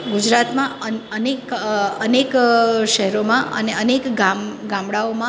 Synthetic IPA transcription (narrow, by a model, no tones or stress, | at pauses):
ɡud͡ʒɾat̪mãəənekənekʃɛɦɛɾomãʔə̰neənekɡaɡãmɽaomã